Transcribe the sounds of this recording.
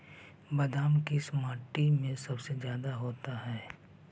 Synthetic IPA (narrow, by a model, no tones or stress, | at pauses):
bɐd̪ʱaːmkismaːʈːimẽsɐbsezjaːd̪aɦoːt̪aɦɛː